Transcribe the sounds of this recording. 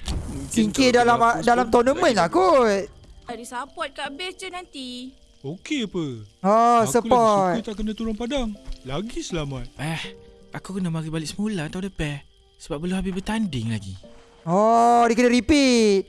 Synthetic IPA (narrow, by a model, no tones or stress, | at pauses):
siŋkidalamadalamt̪ɔnəmə̃nlakut̪̚dadisapɔt̪̚kabɪst͡ʃənant̪i | okeapəɔsəpɔtk̪ut̪aʔkənat̪uɾaŋpadaŋlaɡisəlamat̪̚ʔɛh | akukənamaɾibalɪʔsəmulat̪awdəpɛh | səbap̚ːəluɦabibət̪andɪŋlaɡḭ | ɔdiəkənəɾipit̪̚